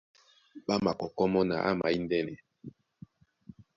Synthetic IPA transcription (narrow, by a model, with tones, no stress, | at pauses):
ɓa˦ma˨kɔ˨kɔ˦mɔ˦na̰˨ʔa̰˦ma˨i˦ndɛ˦nɛ˨